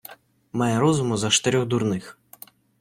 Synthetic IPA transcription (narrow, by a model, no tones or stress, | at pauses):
majɛɾɔzumʊzɐt͡ʃt̪ɪɾʲɔɣd̪urnɪx